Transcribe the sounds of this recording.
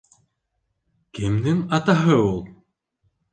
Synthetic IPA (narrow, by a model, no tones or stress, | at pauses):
cɪmnɪmat̪aɦœwlˠ